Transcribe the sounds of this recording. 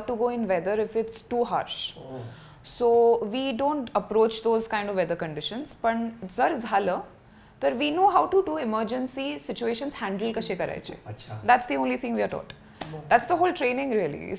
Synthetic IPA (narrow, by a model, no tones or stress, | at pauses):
ʈːuɡoːɪ̃nʋɛd̪əɾɪfɪʈsʈuːɦa̰ːɾʃ | soʋiːɖõːɳʈəpɾot͡ʃd̪oːzkãɪ̃ɳɖɔʋɛd̪əɾkə̃ɳɖɪʃə̃nz̥pəɳd͡zəɾd͡zʱalə | t̪əɾʋinoɦawʈuʈuɪməɾd͡ʒə̃nsisɪt͡ɕueʃə̃nzhæ̃ɳɖəlkəʃekəɾa̰jḛd̪æʈsd̪iõːnlit̪ʰɪ̃ŋʋiaɾʈɔ̰ʈ | d̪æʈsd̪əɦoːlʈɾẽːnɪ̃ŋɡɾiəlḭ